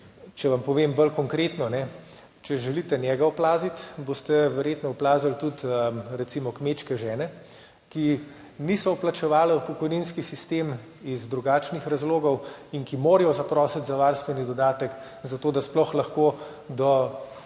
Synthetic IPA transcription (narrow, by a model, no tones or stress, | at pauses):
t͡ʃɛʋampɔʋeːmbəlkɔŋkɾet̪nɔnɛ | t͡ʃɛʒɛlit̪ɛnʲjɛːɡaɔplaːzit̪boːst̪ɛʋɛɾjet̪nɔɔplaːzəlt̪ut̪əɾɛt̪simɔkmet͡ʃkɛʒɛːnɛ | ki | nisɔuplat͡ʃɛʋaːlɛupɔkɔjninskisist̪em | izd̪ɾuɡaːt͡ʃnixɾazloːɡɔwinkimoːɾijɔzapɾɔːsɛt̪zaʋaɾst̪ʋɛnid̪ɔd̪aːt̪ək | zat̪oːd̪asplɔxlaxkoː | d̪ɔ